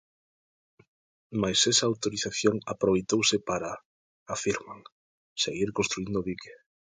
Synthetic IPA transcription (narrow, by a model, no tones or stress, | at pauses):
majsɛsaːwt̪oɾiθaθjoŋapɾoβejt̪owsɪpaɾa | afiɾmaŋ | seɣiɾkõnst̪ɾuind̪oβike̥